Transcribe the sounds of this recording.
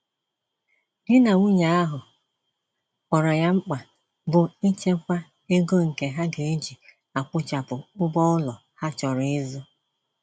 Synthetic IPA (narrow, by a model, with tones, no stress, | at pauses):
dɪ˦na˨ŋʷu˦ɲa˨˦a˦ɦʊ˨ | ɔ˨ɾɔ˨ja˦ŋ͡m̩˦k͡pa˨ | bʊ˨i˦t͡ʃe˦kʷa˦ | e˦ɡo˦ŋ̩˨ke˨ɦa˦ɡe˨e˦d͡ʒi˨ | a˨kʷʊ˦t͡ʃa˨pʊ˨ʊ˦bɔ˦ʊ˦lɔ˨ | ha˦t͡ʃɔ˨ɾʊ˨ɪ˦zʊ˦